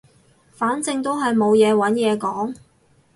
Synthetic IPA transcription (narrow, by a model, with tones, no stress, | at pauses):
faː˨˥nt͡sɪ˧ŋt̪o˥wɦɐ˨jmo˨˧wjɛː˨˧wɐ˨˥njɛː˨˧kɔː˨˥ŋ